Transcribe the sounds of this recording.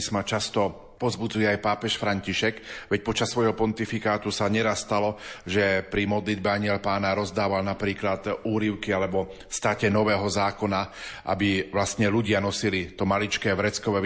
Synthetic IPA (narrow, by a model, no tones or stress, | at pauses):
smat͡ʃast̪ɔ | pɔzbud͡zujɛajpaːpɛʃfɾaɲciʃɛɡʋɛc̚pɔt͡ʃasːʋɔjɦɔpɔnt̪ifikaːt̪usaɲɛɾasːt̪alɔʒɛpɾimɔd̪lid̪̚bɛaɲɪɛlpaːnaɾɔzd̪aːʋalnapɾiːklat̪uːɾiʊkialɛbɔ | st̪aːcɛnɔʋɛːɦɔzaːkɔnaʔa̰biʋlast̪ɲɛluɟɪanɔsilit̪ɔmalit͡ʃkɛːʋɾɛt͡skɔʋɛ